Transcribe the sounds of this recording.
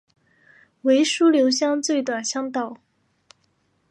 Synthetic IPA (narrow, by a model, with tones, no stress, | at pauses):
we˧˥ɪʂu˥ljo˧˥ʊɕjɑ˥˧ŋt͡swe˥˩ɪt̪wa˨˩nɕjɑ˥ŋt̪ɑ˥˩ʊ